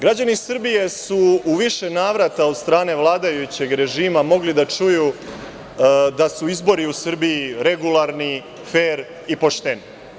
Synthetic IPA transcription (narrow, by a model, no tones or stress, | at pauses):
ɡɾad͡ʑanisrbije̞suuʋiʃe̞naːʋɾat̪ao̞d̪st̪ɾaːne̞ʋlˠaːd̪ajut͡ɕe̞ɡɾe̞ʒiːmamo̞ɡlid̪at͡ʂuju | d̪asuizbo̞ɾiusr̩bijiɾe̞ɡulˠaɾni | feːɾ | ipo̞ʂt̪eni